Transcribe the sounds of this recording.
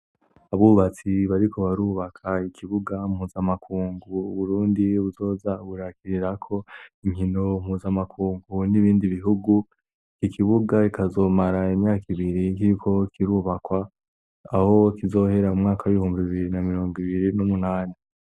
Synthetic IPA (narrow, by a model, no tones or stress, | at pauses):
aβuβat͡siβaɾiko̞βaɾuːβakʰaikʰiβuɡamhuːzamakʰuːŋɡuːβuɾuːndiβuzo̞ːzaβuɾakʰiɾiɾakʰo̞iŋhinom̥huːzamakʰuːŋɡuniβiːndiβiɦuɡu | kikʰiβuɡaikʰazo̞ːmaɾaimɲaːkiβiɾikiɾikʰo̞kiɾuːβakwaː | ho̞kizo̞ːhe̞ɾaumŋaːkʰawuβihuːmbiβiβiɾinamiɾo̞ːŋɡiβiɾinumunaːni